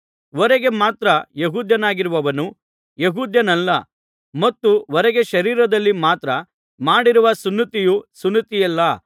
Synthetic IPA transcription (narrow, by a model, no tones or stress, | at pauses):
ʋɔɾeɡe̞maːt̪ɾɐjeɦuːd̪ʱjɐnaːɡiɾuʋɐʋɐnu | jeɦuːd̪jɐnɐlːɐ | mɐt̪ːuɔɾɛɡe̞ʃɐɾiːɾɐd̪ɐlːimaːt̪ɾɐ | maːɽiɾuʋɐsunːit̪ijusunːit̪ijɐlːɐ